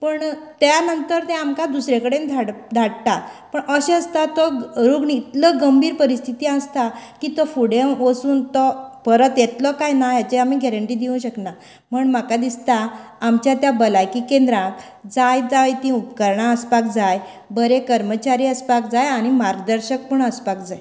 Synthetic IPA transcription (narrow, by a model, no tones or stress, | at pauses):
pəɳt̪janənt̪əɾt̪ɛ̃amkad̪usɾekəɽend̪ʱaɽd̪ʱaʈt̪apəɳəɕẽəst̪at̪ɔɾuɡɳiːt̪ləɡəmbiːɾpəɾist̪ʰit̪iãst̪akiːt̪ɔfuɽemʋəsuːnt̪ɔpəɾət̪jet̪lɔkajnajat͡ɕeamiɡɛɾəɳʈiːd̪iũɕəkna | m̤əɳm̤akad̪ist̪aː | mt͡ɕjat̪jabəlajkikẽnd̪ɾãk | d͡zajd͡zajt̪ĩupkəɾɳaəspakd͡zaj | bəɾekəɾmət͡ɕaɾiːəspakd͡zajaɽ̃imaɾɡd̪əɾɕək̚pəɳəspakd͡zaj